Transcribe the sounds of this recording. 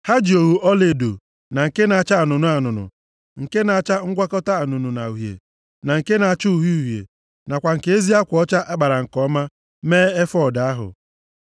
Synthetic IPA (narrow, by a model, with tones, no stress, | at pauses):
ha˦d͡ʒi˨o˨ɦu˨ʔɔ˦le˨do̰˨ | na˨ŋ̩˨ke˦na˨a˦˨t͡ʃa˦a˨nʊ˨nʊ˦a˨nʊ˨nʊ̰˨ | ŋ̩˨ke˦na˨a˨t͡ʃa˦ŋ̩˦ɡʷa˦kɔ˦ta˦a˨nʊ˨nʊ˨na˨u˨ɦjḛ˨ | na˨ŋ̩˨ke˦na˨a˨t͡ʃʊ˦u˨ɦu˦u˨ɦjḛ˨ | na˨kʷa˨ŋ̩˨ke˦e˦zi˦a˦kʷɔ˦t͡ʃa˦ʔa˦ɡ͡ba˨ɾa˨ŋ̩˨kɔ˦ma˦ | meː˦e˦fɔ˦˨da˨a˦ɦʊ̰˨